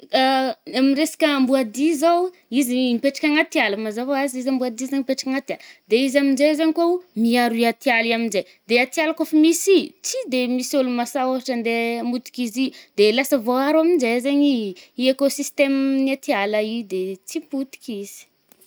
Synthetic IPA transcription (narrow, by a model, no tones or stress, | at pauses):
aamiresḁkʲəambuad̪izow | izinipeʈ͡ʂḁkʲaŋat̪ialəmazavoazizambuad̪izeɲipeʈ͡ʂakʲaŋat̪iald̪eizamind͡ʒezaɲikomiaɾiat̪ialiaminzej | d̪eat̪ialakofmisit͡sid̪emisolumasaoɦaʈ͡ʂənd̪emut̪i̥kʲizid̪elasəvoaɾaminzezeɲiekosist̪emniat̪ialəid̪et͡siput̪i̥kʲiz̥i̥